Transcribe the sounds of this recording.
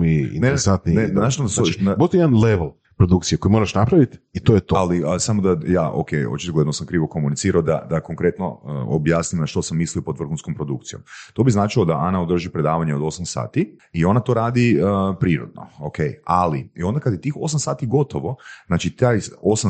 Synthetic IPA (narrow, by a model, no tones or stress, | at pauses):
miḭneɾɾsant̪ninenat͡ʃnod̪soabot̪eed̪anleʋlˠ | pɾod̪ukt̪sijekojimo̞ɾaʃnapɾaʋit̪it̪ojet̪oalisamod̪ajaːʔo̰kejo̰t͡ʃit̪oɡled̪nosamkɾiːʋo̞ko̞munit̪siːɾaod̪a̰d̪akoŋkɾe̞t̪no̞̰o̰bjaːsnimnaʃt̪o̞samːisliopo̞d̪ʋr̩xunskompɾo̞d̪uk̚t̪sijo̞̰mt̪o̞biznaːt͡ʃilod̪aʔanaod̪r̩ʒipɾe̞d̪aːʋaɲeod̪o̞samsa̰ːt̪iio̞nat̪o̞ɾaːd̪ipɾiːɾo̰d̪no̰okʰejaliio̞nd̪akad̪jet̪iːxo̞s̬amsaːt̪iɡo̞t̪oʋo̞znaːt͡ʃit̪aːjo̞sa